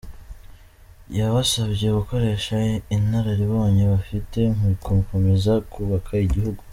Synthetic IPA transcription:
jaβasaβɟe̞kuko̞ɾe̞ːʃainhaɾaɾiβoːɲeβafite̞ŋ̥uɾikʰomko̞me̞zakʰuβakʰaiɟihuɡu

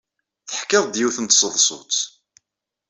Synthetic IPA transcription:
θəħkɪðˤd̪jiwθənt̪sˤəðˤsˤʊ̰t͡s

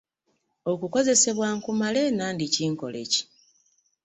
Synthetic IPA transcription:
o̞kuko̞ze̞se̞βwaːŋkumale̞ːnaːndiciːŋko̞̰le̞̰ci̥

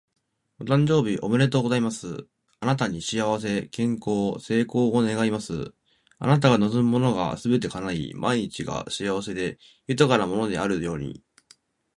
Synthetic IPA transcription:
ot̪ãɲ̟d͡ʑo̞ːbʲiʔo̞mɯ̟ɾe̞t̪o̞ɡo̞zaimasɨ̰ | anat̪aɲ̟iɕiaβ̞as̬e̞kẽ̞ŋko̞ːse̞ːko̞ːone̞ɡaimasɨ̰ | a̰nat̪̬aɡano̞zɨmːo̞no̞ɡa̰sɨbe̞t̪̬e̞kanaḭmʔaiɲ̟it͡ɕiɡa̰ɕiaβ̞ase̞d̪e̞ | jɯ̟t̪akaɾamo̞no̞d̪e̞̰aɾɯ̟jo̞ːɲ̟ḭ

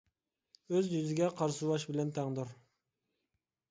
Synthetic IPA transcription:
øzjyzɪɡʲɛqʰɑɾsuwɑʃbɪlɛnt̪ʰæŋd̪uɾ

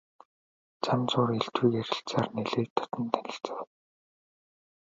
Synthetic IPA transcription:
t͡samt͡sʊːreɮt̪wuːkeɾʲɪ̆ɬt͡saːrneɮeːt̪ʰːɔ̥t̪ɞ̆nt̪ʰænʲɪ̆ɬt͡sə̆w

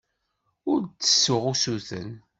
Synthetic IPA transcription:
ʊɾt͡sːə̥sːʊʁusuθə̰n

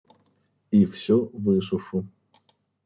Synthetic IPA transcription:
ifsʲɔvɨs̬ʊʂʊ

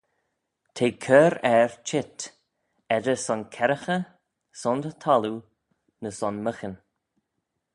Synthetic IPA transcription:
t̪ʰeːkʰəɾɛɹt͡ʃʰɪt̪ | ɛdəsɔnkʰɛɾəxə | sɔnd̪ət̪ʰalu | nəsɔnməxən

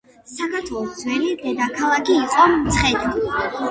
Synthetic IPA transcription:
sakʰaɾt̪ʰwɛlˠɔsd̪zwɛlid̪ɛd̪akʰalˠakʰiːqʼɔt̪sʰχɛd̪i

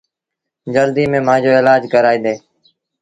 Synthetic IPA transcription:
d͡ʒəld̪iːmẽːm̤ãːd͡ʒoːɪlaːd͡ʒkəɾaːiːd̪eː

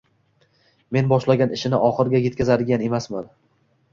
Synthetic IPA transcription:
me̞nbɒʃlaɡʲanɪʃɪnɪʔɒχɨɾɡʲaje̞t̪̚ʲkʲazad̪ɪɡʲane̞masman

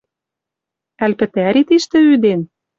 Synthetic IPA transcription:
ælpɘ̆t̪æɾit̪iʃt̪ɘ̆yd̪en

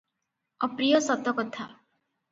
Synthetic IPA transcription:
ɔpɾijɔsɔt̪ɔkɔt̪ʰa

